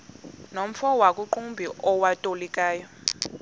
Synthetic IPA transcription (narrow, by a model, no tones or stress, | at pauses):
nom̩fɔwakʼuǃumbʱiʔɔwatʼolikʼaːjɔ